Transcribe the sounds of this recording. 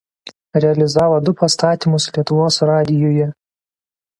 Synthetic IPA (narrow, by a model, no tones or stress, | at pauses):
ɾʲɛɐlʲɪzɑːʋod̪ʊpɐst̪ɑːt̪ʲiˑmʊslʲiɛt̪ʊʋoːsɾɑːd̪ʲɪjoːjɛ